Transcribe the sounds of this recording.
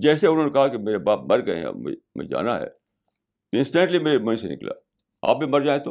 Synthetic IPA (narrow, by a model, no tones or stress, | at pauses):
d͡ʒɛːseʊnɦõːnekɐɦakimeːɾebaːp̚mɐɾɡɐḛa̰m̰m̰d͡ʒa̰ːnaɦɛ̰ː | t̪oɪ̃nsʈẽɳʈlimeːɾemɐ̃nsenɪ̰kla̰ː | a̰ːp̚bʱimɐɾd͡ʒaːet̪ʰoː